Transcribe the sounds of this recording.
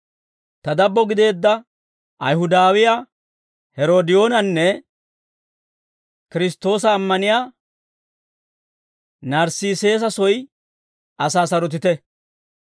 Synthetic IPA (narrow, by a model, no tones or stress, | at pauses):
t̪ɐd̪ɐbːɔɡɪd̪e̞ːd̪ːɐ | ʔɐ̰jɦʊd̪aːwɪja | hɛɾo̞ːd̪ɪjo̞ːnɐnːɛ | kɪɾɪst̪o̞ːsɐːmːɐnɪjaː | nɐɾsiːse̞ːs̬ɐsɔj | ʔɐsaːsɐɾɔt̪̬ɪt̪ɛ